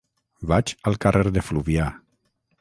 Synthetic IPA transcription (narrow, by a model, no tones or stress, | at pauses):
βat͡ʃəlˠkarʔeɾðefluβia